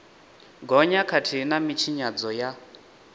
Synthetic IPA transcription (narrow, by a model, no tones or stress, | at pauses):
ɡɔɲakʰatʰinamit͡ʃʰiɲad͡zɔja